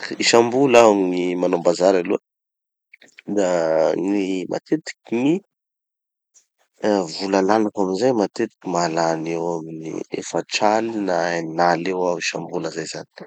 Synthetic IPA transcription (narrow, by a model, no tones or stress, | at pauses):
iʃambulainimanombazaɾaluə | d̪animʔa̰t̪ʰet̪i̥kini | vulalanakaminzajmat̪et̪i̥kimalanewaminḭḛfaʈ͡ʂalinaenalewawiʃambuləzajzani̥